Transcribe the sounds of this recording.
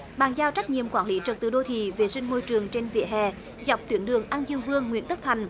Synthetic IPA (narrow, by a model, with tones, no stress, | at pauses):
ɓaː˨˩nzaː˧wt͡ɕa˦˥k̚ɲḭ˧˨əmkwaː˧˩nli˨˦t͡ɕə˨˩t̪ɨ˨˧˩ɗo˧t̪ʰḭ˧˨ve˨˩sï˧ŋ̟mo˧jt͡ɕɨ˨˩əŋt͡ɕe˧nvḭ˧˨əɦɛ̰˧˨ | za˨˩wp̚t̪wi˨˦ənɗɨ˨˩əŋʔaː˧nzɨ˧əŋvɨ˧əŋːwḭ˧˥ənt̪ə˦˥k̚t̪ʰa˨˩jŋ̟